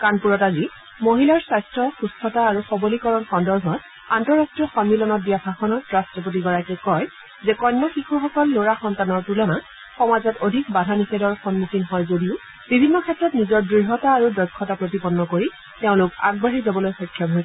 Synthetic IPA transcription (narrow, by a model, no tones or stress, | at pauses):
kanpuɹɔtazi | moɦilaɹsajstɹɔxustʰɔtaːɹuxɔbolikɔɹɔnxɔndɔɹbʱɔt | antɔɹastɹijɔxɔnmilɔnɔt̚bijabʱaxɔnɔtɹastɹɔp̬ot̬iɡɔɹakɛkɔj | zɛkɔjnːɔxixʰuxɔkɔlːoɹaxɔntanɔɹpulɔna | xɔmazɔtodʱikbadʱanisedɔɹxɔnmuxʰinɦɔjzodiʊ | bibʱinːɔkʰɛtɹɔtnizɔɹdɹiɦɔtaːɹudɔjkʰːɔtapɹotipɔnːɔkoɹi | teʊ̃lʊka̰ɡ̚baɦizabɔlojxɔkʰːjɔmɦojsɛ